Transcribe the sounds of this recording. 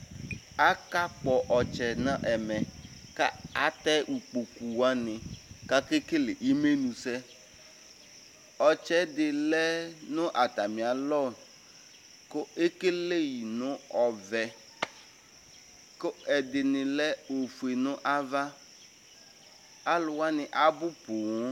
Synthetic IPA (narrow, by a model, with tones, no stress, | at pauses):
a˦ka˦k͡pɔ˨ʔɔ˨t͡ʃɛ˨nã˦ʔɛ˨mɛ˨ka˦a˦t̪ɛ˦ʔu˨k͡po˨ku˨wa˦nɪ̃˨ka˦ke˦ke˦lɪ˨ʔi˦me˦nũ˨sɛ˦ | ɔ˨t͡ʃɛ˦d̪ɪ˨lɛ˦nʊ̃˦ʔa˨t̪a˨mɪ̃˨a˨lɔ˦˨ | kʊ˦e˦ke˦le˦ji˨nʊ̃˦ɔ˨vɛ˨ | kʊ˦ɛ˨d̪ɪ˨nɪ̃˨lɛ˦o˨fu˨e˨nʊ̃˦ʔa˦va˦ | a˦lʊ˨wa˦nɪ˨ʔa˨bʊ˦po˨ŋɔ̃˦